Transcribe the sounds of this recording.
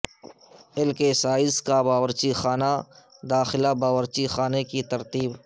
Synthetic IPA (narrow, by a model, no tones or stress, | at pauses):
ɪlkesaːɪzkabaːwəɾt͡ʃixaːna | d̪aːxɪlabaːwəɾt͡ʃixaːnekit̪ɐɾt̪iːb